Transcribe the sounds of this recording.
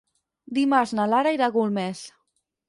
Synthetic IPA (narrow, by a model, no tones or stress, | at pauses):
d̪imaɾznalaɾaiɾaɣulmɛs